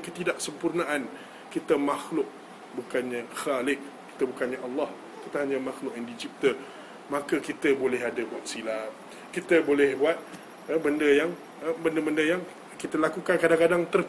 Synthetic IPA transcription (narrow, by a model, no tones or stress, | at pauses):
kət̪idaʔ̚səmpurnaʔan | kit̪əmaxlʊk̚ | bukanɲaxalɪk̚kːi̥t̪əbukanɲaʔɑlːɑh | t̪ət̪aɦaɲamaxlʊkaŋdid͡ʒip̚t̪ə | mãkəkit̪əbolɛɦadəbuat̪̚silam | kit̪əbolɛhbuat̪̚ | əbəndəjaŋ | bəndəbəndəjaŋ | kit̪əlakukankadaŋkadaŋt̪ər